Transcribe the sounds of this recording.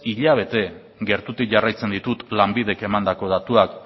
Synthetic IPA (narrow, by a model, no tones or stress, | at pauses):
iʎaβ̞e̞t̪e̞ | ɡe̞ɾt̪ut̪ik̚ʝarajt͡se̞nd̪it̪ut̪lambið̞e̞ke̞mand̪ako̞ð̞at̪uak